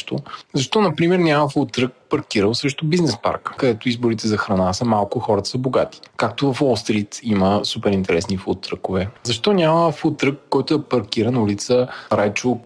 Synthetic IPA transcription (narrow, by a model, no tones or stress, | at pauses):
ʃt̪ozɐʃt̪ɔnɐpɾimɛɾnʲaməfulˠt̪ːɾək̚pɐɾkiɾəlˠsɛʃt̪ʊbiznɛspa̰ɾkkɐd̪ɛt̪ʊizboɾit̪ɛzɐxɾɐnasəmalˠkʊxɔɾɐt̪ə̥səboɡat̪i̥kak̚t̪ovɐfɔst̪ɾit̪iməsupɛɾint̪ɛɾɛsnifut̪ːɾəkovɛzɐʃt̪ɔnʲaməfut̪ːɾəkːɔjt̪ʊɛpɐɾkiɾənulit̪səɾajt͡ʃo